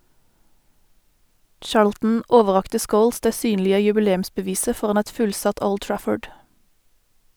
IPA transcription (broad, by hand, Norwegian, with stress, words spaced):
ˈt͡ʃɑːɹltn̩ ˈoːʋəˌʁɑktə ˈskoːls ˈdeː ˈsyːnlɪə jʉbəˈleːm̩sbəˌʋiːsə ˈfɔʁɑn ˈɛt ˈfʉlsɑt ˈoːl ˈtɹæfɔɖ